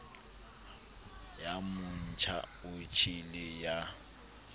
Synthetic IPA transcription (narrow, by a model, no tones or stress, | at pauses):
jamʊn̩t͡ʃʰa̰ʊt͡ʃʰilɪja